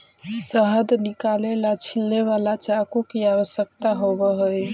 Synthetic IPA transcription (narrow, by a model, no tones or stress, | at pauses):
səɦəd̪nikalelat͡ʃʰilneβalat͡ʃakokiaβəsjək̚t̪aɦobəɦəj